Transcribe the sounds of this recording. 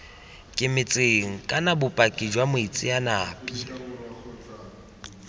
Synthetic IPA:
kʼɪmɪt͡sʼeŋ̩kʼanabʊpʼakʼid͡ʒwamʊit͡sʼɪanaːpʼi

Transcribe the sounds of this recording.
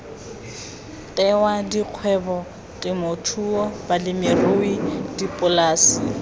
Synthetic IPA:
tʼɛwadiq͡χʰwɛbɔ | tʼɪmotʰuɔbalɪmɪroidipʼʊlaːsɪ̥

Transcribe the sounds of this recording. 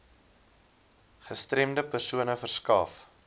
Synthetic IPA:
χəstrɛmdəpərsuənəfərskɑːf

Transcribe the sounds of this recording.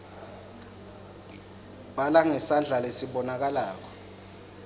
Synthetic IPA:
ɓalaŋɛsand͡ɮʱalesiɓɔnak̬alaːk̬ɔ̥

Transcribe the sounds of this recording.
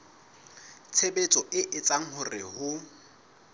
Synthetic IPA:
t͡sʰebet͡sʼɔʔɪʔɪt͡sʼaŋ̩hʊrɪhʊ

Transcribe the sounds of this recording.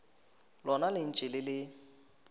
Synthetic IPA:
lɔnalɪn̩t͡ʃʼɪlɪlɪ

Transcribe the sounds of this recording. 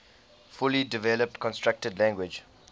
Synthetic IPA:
fʊlidɪvɛləp̚tkʰɔ̃nstɹak̚tədlãŋɡwɪd͡ʒ

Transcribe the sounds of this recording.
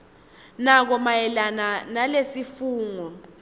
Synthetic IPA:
nak̬ɔmajɛlananalesifuːŋɔ

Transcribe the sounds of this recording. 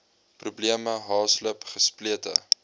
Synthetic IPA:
prubliəməɦɑːsləpχəspliətə̰

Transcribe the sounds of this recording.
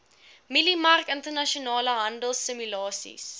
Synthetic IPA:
milimɐrkəntərnɐʃionɑːləɦɐndəlˠsəmylɑːsḭs

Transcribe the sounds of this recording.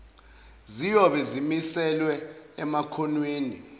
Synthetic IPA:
zijɔɓɛzimisɛlwɛɛmakʰɔnweːni

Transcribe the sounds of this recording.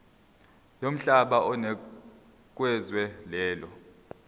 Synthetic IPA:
jom̩ɬaɓaʔɔnɛ | k̬ʼwɛzwɛlɛːlɔ

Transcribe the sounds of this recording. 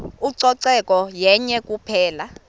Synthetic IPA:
uǀɔǀɛkʼɔjɛɲɛkʼupʰɛːla

